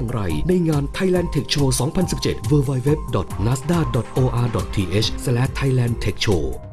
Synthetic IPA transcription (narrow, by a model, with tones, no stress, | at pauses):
ŋɾa˧jna˧jŋaː˧nt̪ʰa˧jlɛː˧˩nt̪ʰe˨˩k̚t͡ɕʰoː˧sɔː˩˦ŋpʰa˧nsi˨˩p̚t͡ɕḛ˨˩t̪̚wɯː˧waː˧jwe˦˥p̚dɔ˨˩t̪̚naː˦˥sdaː˥˩dɔ˨˩t̪̚ʔoː˧ʔaː˧dɔ˨˩t̪ʰiː˧ʔeː˦˥t͡ɕʰslɛː˦˥t̪ʰːa˧jlɛː˧nt̪ʰe˨˩k̚t͡ɕʰoː˧